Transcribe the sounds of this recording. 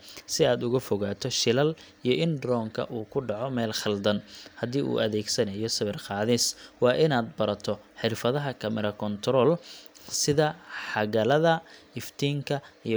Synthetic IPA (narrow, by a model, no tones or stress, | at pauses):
sɪaːd̪ʊɣɐfɔɣaːt̪ʰɔʃɪlɐl | ijɞʔɪnd̪ɾɔːŋkʰɐ̰ʔuːkʰʊɖɑʕɔmɛːlχɐld̪ɐnhɐd̪iːʔṵːʔɐðɛːɡsɐnɐjɔsɐβɪrqɑːðɪswɑːʔɪnaːd̪̚bɐɾɐt̪ʰɔħɪrfɐðɐɦɐkʰɐmɐɾɐkʰɔnt̪ʰɾɔːlsɪðɐħɑɣɐlɐðɐɪft̪ʰiːŋkʰɐij